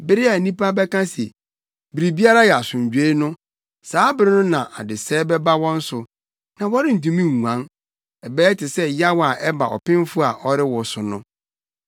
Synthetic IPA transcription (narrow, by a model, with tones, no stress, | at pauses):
bɪ˦ɾɪ˦a˨nĩ˦pa˦bɛ˦kã˦sɛ̰˨ | bi˨ɾi˨bi˦a˦ɾa˦jɛ˨a˨sʊ̃˨ɲ˨d͡ʑᶣe˦nʊ̃˦ | saː˨˦bɪ˦ɾɪ˦nʊ̃˦nã˨ʔa̰˨dɪ˨sɛː˦bɛ˦ba˦wɔ̃˦n̩˦sʊ˨ | nã˨wɔ˦ɾɪ˦n̩˨tũ˦mĩ˦ŋː˨ã˨˦n | ɛ˨bɛː˦tɪ˨sɛ˦ja˦wa˨ʔɛ˦ba̰˨ɔ̰˨pɪ̃˦m˦fʊ˦a˨ʔɔ˦ɾɪ˦wɔ˨sʊ˨nʊ̃˦